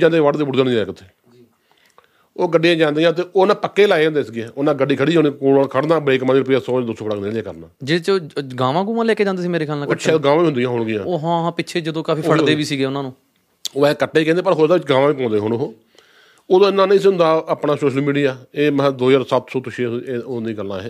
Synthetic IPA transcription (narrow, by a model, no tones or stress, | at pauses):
d͡ʒaːnd̪ejãːʋəɖd̪eːbʊɽd̪ənd̪iãːkət̪ʰːeː | oːɡəɖːijãːd͡ʒãːnd̪ijãːt̪̬eːʔoːnãːpəkːeːlaːeõnd̪eːsɡɛːonãːɡəɖiːkʰəɽiːãːnikoːɽəkʰəɽd̪aːbəɾeːkmãːniːɾʊp̬ɪjaːsɔːd̪oːsoːfəɽaːkneːljãːkəɾnaːd͡ʒeːɽt͡ʃːɡaːʋãːɡuːʋãːlɛːkeːd͡ʒãːnd̪eːs̬iːmeːɾeːkʰaːlnãːəɡaːʋãːʋiːʊ̃nd̪ɪjãːɦʊɳɡɪjãːoːɦãːãːpɪːʃʰeːd͡ʒəd̪õːkaːfiːpʰəɽd̪eːʋiːsiːɡeːʊnãːnũː | oːɛkəʈːeːiːkɛ̃ːd̪eːpəɾɦoːd̪aːʋɪt͡ʃɡaːʋãːʋiːp̬ãːnd̪eːɦoɽoɦoː | oːd̪õɪnːãːnĩːs̬iʊnd̪aːəpɳaːsoːʃəlmiːɽijaːeːməd̪oːjaːɾsət̪soːt̪ʊʃid̪ĩːɡəlːã̰ːɛː